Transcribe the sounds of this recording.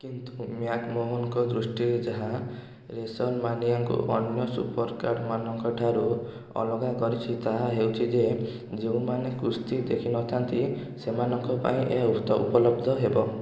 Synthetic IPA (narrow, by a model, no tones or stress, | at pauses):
kint̪umjakmoɦɔŋkɔd̪ɾusʈiɾed͡ʒaɦa | ɾesɔlmaniaŋkṵʔɔnjɔsṵpɔɾkaɾɖmanɔŋkɔʈʰaɾu | ɔ̰lɔɡakɔɾit͡ʃʰit̪aɦaɦewt͡ʃʰid͡ʒe | d͡ʒeũmanekust̪id̪ekʰinɔt̪ʰant̪isemanɔŋkɔpa̰ĩʔḛɦut̪ɔʔṵpɔlɔbd̪ʱɔɦebɔ